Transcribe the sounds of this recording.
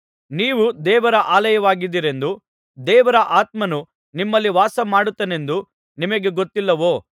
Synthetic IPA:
niːʋud̪ɛːʋɐɾɐʔaːlɐjɐʋaːɡid̪iːɾe̞nd̪u | d̪ɛːʋɐɾɐʔaːt̪̚mɐnu | nimːɐlːiʋaːsɐmaːɽut̪ːɐne̞nd̪u | nimɐɡe̞ɡot̪ːilːɐʋoː

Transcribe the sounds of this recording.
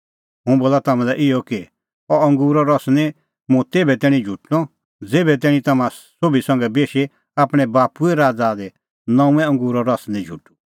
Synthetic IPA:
ɦũboːlat̪ɐmãlɛʔɪɔki | ɔɐ̃ŋɡuːɾɔɾɔsnɛ̃ | mũt̪eːbɛt̪ɛːɽ̃ĩd͡ʒʱuʈnɔ | d͡zeːbɛt̪ɛːɽ̃ĩt̪ɐmãsobisɐ̃ŋɡɛbeːʃe | aːpɽ̃ɛ̃baːpuɛɾaːd͡zad̪ɛ | nɐ̃ũɛ̃ɐ̃ŋɡuːɾɔɾɔsnĩd͡ʒʱuʈːu̥

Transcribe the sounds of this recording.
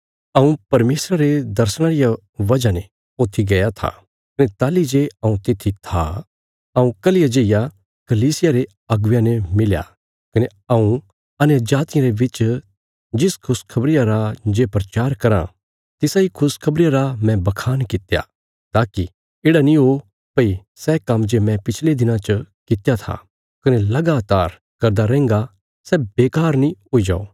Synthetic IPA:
ɐũpɐɾmeːsɾaɾed̪ɐɾsɽ̃aːɾɪja | ʋɐd͡ʒane | oːt̪ʰiɡɐjat̪ʰa̰ | kɐnet̪aːlid͡ʒeɐ̃ũt̪ɪt̪ʰit̪ʰa̰ | ɐũkɐlɪjad͡ʒeɪja | kɐliːsɪjaɾe | ɐɡʋjãnemɪlja̰ | kɐne | ɐũ | ɐnjəd͡ʒaːt̪ɪjãɾebɪt͡ʃ | d͡ʒɪskʰʊskʰɐbɾɪjaɾad͡ʒeːpɾɐt͡ʃaːɾkɐɾã̰ | t̪ɪsaikʰʊskʰɐbɾɪjaɾamɛ̃bɐkʰaːnkɪt̪ja̰ | t̪aːki | eːɽanĩɦo | pɐi | sɛkɐ̃md͡ʒemɛ̃pɪt͡ʃʰled̪ɪnãt͡ʃəkɪt̪jat̪ʰa̰ | kɐnelɐɡaːt̪aːɾ | kɐɾd̪aɾɛ̃ːŋɡa | sɛbeːkaːɾnĩɦoid͡ʒa̰ːoː

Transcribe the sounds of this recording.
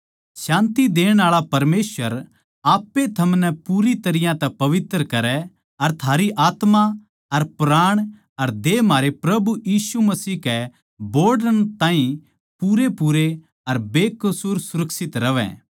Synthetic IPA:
ʃãːnt̪id̪eːɽ̃aːɭapɐɾmeːsʋəɾ | aːpːet̪ʰɐmnɛpuːɾit̪ɐɾɪjãt̪ɛpɐʋɪt̪ɾkɐɾɛ | ɐɾt̪ʰaːɾiʔaːt̪ma | ɐɾpɾaːɽ̃ | ɐɾd̪eːmaːɾepɾɐbujiːsumɐsiːkɛ | boːɾɖəñt̪ãːĩ | puːɾepuːɾe | ɐɾbeːkɐsʊɾsʊɾɐksɪt̪ɾɐʋɛ̰̃

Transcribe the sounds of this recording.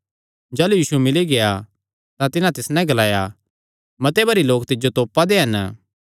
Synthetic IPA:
d͡ʒaːlujiːsumɪliɡea | t̪ãt̪ɪnãt̪ɪsnɛ̃ɡɐlaːja | mɐt̪ebɐɾiloːk̚t̪ɪd͡ʒot̪oːpːad̪eɦɐn

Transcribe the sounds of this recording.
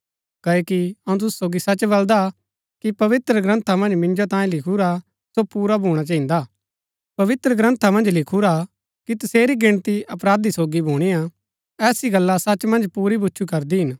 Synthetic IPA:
kɐːoːkiɐũt̪̬ʊsu̥soːɡisɐt͡ʃbɐld̪a | kipɐʋɪt̪ɾəɡɾɐ̃nt̪ʰamɐ̃nd͡ʒmɪ̃nd͡ʒot̪ãːẽlɪkʰuɾa | sopuːɾabʱuːɽ̃at͡ʃãːĩːnd̪aː | pɐʋɪt̪ɾəɡɾə̃nt̪ʰamɐ̃nd͡ʒlɪkʰuɾa | kit̪ɐseːɾiɡɪɽ̃t̪iɐpɾaːd̪isoːɡibʱuːɽ̃ija | ɛːsiɡɐlːasɐt͡ʃːmɐ̃nd͡ʒpuːɾibʊtːʃʰukɐɾd̪iɦɪn

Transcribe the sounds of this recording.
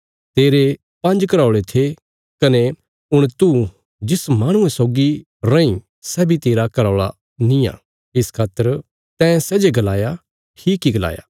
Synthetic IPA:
t̪eːɾe | pɐ̃nd͡ʒkɐɾaːɭet̪ʰe | kɐne | ʊɽ̃t̪u | d͡ʒɪsmaːɽ̃ʊ̃ẽsoːɡi | ɾɐ̃ĩ | sɛːbʱit̪eːɾakɐɾaːɭa | nĩjã̰ː | ɪskʰaːt̪ːəɾ | t̪ɛ̃ːsɛːd͡ʒeɡɐlaːja | ʈʰiːkːiɡɐla̰ːja̰ː

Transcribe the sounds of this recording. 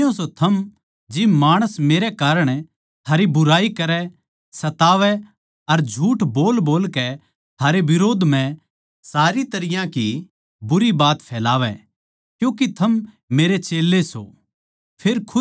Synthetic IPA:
õsot̪ʰɐm | d͡ʒɪmaːɽ̃əsmeːɾɛkaːɾəɽ̃ | t̪ʰaːɾibʊɾaːikɐɾɛ | sɐt̪aːʋɛ | ɐɾd͡ʒʱuːʈboːlboːlkɛ | t̪ʰaːɾeʋɪɾoːd̪m̤ɛ̃ | saːɾit̪ɐɾɪjãki | bʊɾibaːt̪pʰɛːlaːʋɛ̰ | kjũːkit̪ʰɐmː | eːɾet͡ʃeːlːeso̰ | pʰeːɾkʰʊ

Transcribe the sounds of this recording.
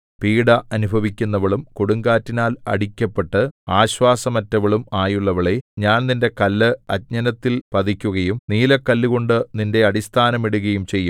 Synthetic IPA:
piːɽɐʔɐnubʱɐʋikʲːunːɐʋɐɭumkoɽuŋɡaːtːinaːlɐ̰ɽikʲːɐpːe̞ʈːɨaːɕʋaːsɐmɐtːɐʋɐɭumaːjuɭːɐʋɐɭeɲaːnninde̞kɐlːɨɐt̚ɲɐnɐt̪ːilpɐd̪ikʲːuɣɐjumniːlɐkːɐlːiɣo̞ɳɖɨninde̞ɐɽist̪ʰaːnɐmiɽuɣɐjumt͡ɕe̞jːum

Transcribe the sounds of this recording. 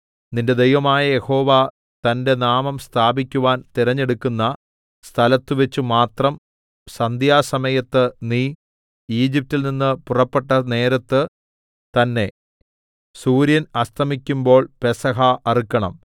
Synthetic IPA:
ninde̞d̪e̞jʋɐmaːjɐje̞ho̞ːʋaː | t̪ɐnde̞naːmɐmst̪ʰaːbikʲːuʋaːnt̪iɾɐɲːe̞ɽukʲːunːɐ | st̪ʰɐlɐt̪ːɨʋet͡ɕːumaːt̪rɐm | sɐnd̪ʱjaːsɐmɐjɐt̪ːɨniː | iːd͡ʑip̚tːilninːɨpurɐpːeʈːɐne̞ːɾɐt̪ːɨ | t̪ɐnːe̞ | suːɾjɐnɐst̪ʰɐmikʲːumbo̞ːɭpesɐɦɐɐrikːɐɳɐ̰m

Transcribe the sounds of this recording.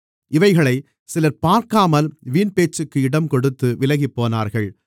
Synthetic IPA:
ʔɪʋɐɪɣɐɭɐɪ | sɪlɐɾpaːɾkaːmɐlʋiːnpeːt͡ʃːɯkːɯɪɽɐmkɔɽɯt̪ːɯʋɪlɐɣɪpːoːnaːɾɣɐɭ

